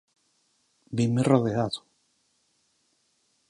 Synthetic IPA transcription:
bimiroðeaðu̥

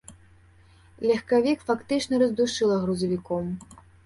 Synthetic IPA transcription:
lʲɐxkavʲikfakt̪ɨt͡ʂnɐɾɐzd̪uʂɨlˠɐɣɾuzɐvʲikɔm

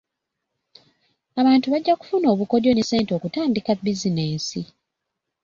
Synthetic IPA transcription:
aβaːntuβaɟːaku̥funo̞ːβuko̞djo̞nese̞ːnto̞kutaːndikabizineːnsi

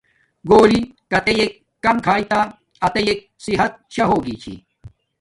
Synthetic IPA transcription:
ɡoːlikɐt̪ejeːkːɐmkʰaːit̪aː | ɐt̪ejeːk̚siɦɐt̪̚ɕɐɦoːɡiːt͡ɕʰḭː

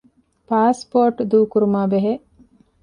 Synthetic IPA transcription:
paːspoːɾʈd̪uːkuɾumaːbeɦe

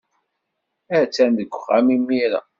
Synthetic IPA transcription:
æɾt͡sːænd̪əɡʷːəχæ̰mimːiɾæ̰

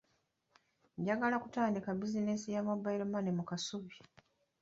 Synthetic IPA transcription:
ɲɟaɡalakutaːndikabizinesijamabːaiɾomanemukasuβi

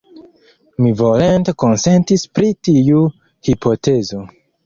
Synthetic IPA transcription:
mivolentekonse̞ntispɾitiu | hipʰo̞tezo̞

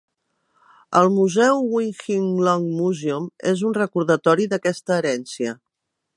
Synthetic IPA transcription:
əlˠmuzɛwwiŋxiŋlɔŋmuzeumezunrəkuɾðət̪ɔɾiðəkɛst̪əːɾɛnsiə

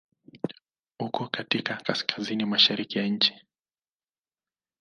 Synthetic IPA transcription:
hukɔkatikakaskʰazinimaʃaɾikijaɲ̩t͡ʃi̥

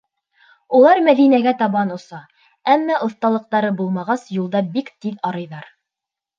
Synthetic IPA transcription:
ulˠɑɾmæðinæɡæt̪ɑβɑnŏsɑ | æmːæʔŏθt̪ɑlˠɤ̆q̚t̪ɑɾɤbulˠmɑʁɑsjulˠd̪ɑbikt̪iðɑɾɤ̆jðɑɾ

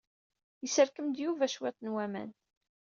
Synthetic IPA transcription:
jəsəɾkəmd̪juvæʃwæt̪ˤnwæmæ̰n

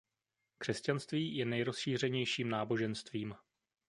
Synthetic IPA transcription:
kr̝̥ɛscanst̪viːjɛnɛjɾo̞sʃiːr̝ɛɲɛjʃiːmnaːbo̞ʒɛnst̪viːm

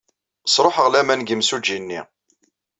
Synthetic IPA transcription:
əsˤɾˤoħəʁlæmænɡəmsud͡ʒinːḭ

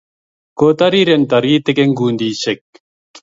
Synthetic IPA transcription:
koːt̪ɐɾiɾent̪ɐɾiːt̪ekeŋɡuːnd̪iːɕek̚

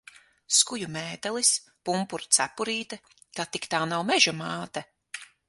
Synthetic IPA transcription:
skujumeːt̪ɛlˠis | pumpuɾt̪sæpuɾiːt̪ɛ | kat̪ikt̪aːnawmɛʒumaːt̪ɛ

